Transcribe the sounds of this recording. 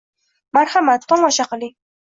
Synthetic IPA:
maɾhamat̪ːɒmɒʃaqli

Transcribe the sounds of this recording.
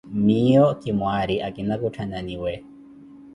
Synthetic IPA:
miɔkimwaɾiʔakinakutʰananiwɛ

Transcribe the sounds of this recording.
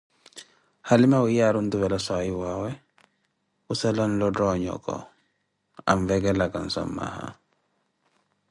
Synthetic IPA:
halimawujaɾunduβɛlasajiwawɛ | usalɔnlɔdɔɲɔ̰kɔ̰ | a̰mvɛɡɛlakansɔ̰mːa̰ha̰

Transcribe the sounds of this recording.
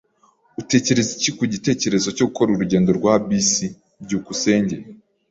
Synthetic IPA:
ute̞ːce̞ɾe̞zicikuɟite̞ːce̞ɾe̞zo̞co̞ɡukʰo̞ɾuɾuɟeːndo̞ɾɡwabisi | bɟukuse̞ːɲɟe

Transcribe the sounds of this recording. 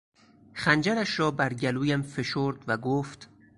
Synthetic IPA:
xænd͡ʒæɾæʃɾɒːbæɾɟæluːjæmfe̞ʃoɾd̪væɡoːft̪

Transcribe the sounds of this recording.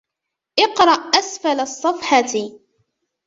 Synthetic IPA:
ʔɪqɾˤɑʔʔasfalsˤːɑfħɑt̪

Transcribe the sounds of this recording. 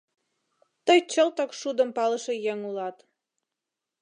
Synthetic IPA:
t̪əjt͡ɕəlt̪əkʃud̪əmpɑləʃĕjeŋulɑt̪

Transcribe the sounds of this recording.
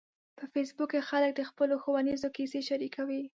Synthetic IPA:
pəfes̬bukexalək̚d̪əxpəloxowanizokiseʃaɾikʰawi

